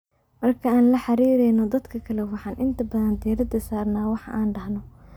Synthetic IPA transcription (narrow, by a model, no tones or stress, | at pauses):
mɐrkʰɐaːnlɐħɑɾiːɾɛjnɔd̪ɐd̪kʰɐkʰɐlɛwɑħɑːnʔɪnt̪ʰɐbɐðɐnd̪ɪjɾɐd̪ɐsaːrnaːwɑħɑ̰ʔaːnɖɐhnɔ